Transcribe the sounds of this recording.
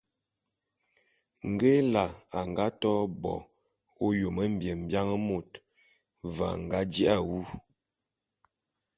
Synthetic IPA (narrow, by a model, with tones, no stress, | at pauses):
ŋ˨ɡe˦la˨a˨ŋ˨ɡa˦tɔ˦bɔ̰˨ | o˦jo˨mə˦m̩˦bje˨m̩˨bja˦ŋə˦mo˨t | va̰˨ŋ̩˨ɡa˦d͡ʒi˦ʔa˦wu˦